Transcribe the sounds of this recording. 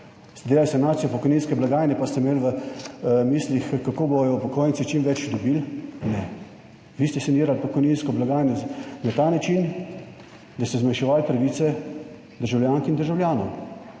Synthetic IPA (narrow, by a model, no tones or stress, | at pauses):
st̪d̪eːlalsɛnaːt̪sijɔpɔkɔjninskɛblaɡaːjnɛpast̪ɛmelʋə | miːslixkakoːbojɔwpɔkoːjnsit͡ʃimʋɛt͡ʃd̪ɔbilnɛ | ʋist̪ɛseniːɾalpɔkɔjninskɔblaɡaːjnɔnat̪aːnat͡ʃin | d̪ast̪ɛzmajʃɛʋaːlt̪ɾɐʋiːt̪sɛ | d̪əɾʒawljaːŋkind̪əɾʒawljaːnɔw